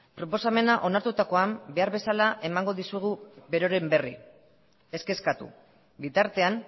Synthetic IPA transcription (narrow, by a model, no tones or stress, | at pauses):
pɾo̞po̞same̞naʔo̞naɾt̪ut̪ako̞ambe̞aɾβe̞salaʔe̞maŋɡo̞ðisuɣ̞uβe̞ɾo̞ɾe̞mbe̞ri | e̞ske̞skat̪ṵ | bit̪aɾt̪e̞am